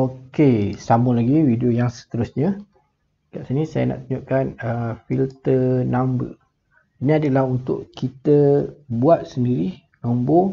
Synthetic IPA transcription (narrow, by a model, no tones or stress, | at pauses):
okesamulaɡiwidiojaŋsə̥t̪əɾʊsɲa | kaʔsinisajə̰na̰ʔt̪uɲuʔkanəfilt̪ənambə̰ | iniadəlahunt̪ʊʔkit̪əbuat̪̚səndiɾi | nombo